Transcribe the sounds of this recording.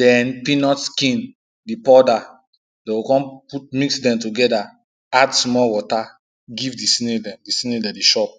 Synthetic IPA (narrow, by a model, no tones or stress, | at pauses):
dɛ̃npĩnɔtskĩn | dipɔda | dɛ̃wukɔ̃nput̚miksdɛ̃mtuɡɛda | adsmɔlwɔta | ɡivdisĩnɛdɛ̃mdisĩnɛdɛdiʃɔp̚